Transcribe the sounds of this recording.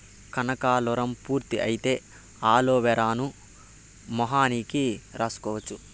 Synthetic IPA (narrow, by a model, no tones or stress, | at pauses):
kɐnɐkaːlɔɾɐmpuːɾt̪iʔɐjit̪e̞ː | aːloːʋɛɾaːnu | mɔɦaːniːkiɾaːsu̥kɔːʋɐt͡ʃːu